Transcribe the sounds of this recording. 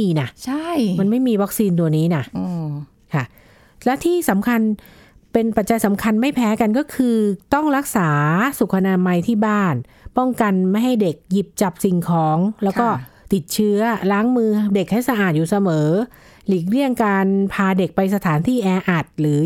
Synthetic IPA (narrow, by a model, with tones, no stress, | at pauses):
iː˧na˥˩ʔt͡ɕʰa˥˩jma˧nma˥˩jmiː˧wa˦˥k̚siː˧nt̪̬u˧ɐniː˦˥na˦˥˩ʔ | kʰa˥˩ | lɛ˦˥wt̪ʰiː˥˩sa˩˦mkʰa˧npe˧npa˨˩t̪̚t͡ɕa˧jsa˩˦mkʰa˧nma˥˩jpʰɛː˦˥ka˧nkɔː˥˩kʰɯː˧t̪ɔ˥˩ŋɾa˦˥k̚saː˩˦su˨˩k̚ʰːa˧naː˧ma˧jt̪ʰiː˥˩baː˥˩n | pɔ˥˩ŋka˧nma˥˩jɦa˥˩jde˨˩k̚ji˨˩p̚t͡ɕa˨˩p̚si˧ŋkʰɔː˦˥ŋlɛ˦˥wkɔː˥˩ | t̪i˨˩t̪̚t͡ɕʰɯ˦˥ɐlaː˦˥ŋmɯː˧de˨˩k̚ha˥˩jsa˧ʔaː˨˩t̪̚juː˨˩sa˧mɤː˩˦ | li˨˩k̚ɾi˥˩əŋkaː˧npʰaː˧de˨˩k̚pa˧jsa˧t̪ʰaː˩˦nt̪ʰiː˥˩ʔɛː˧ʔa˨˩t̪̚lɯː˩˦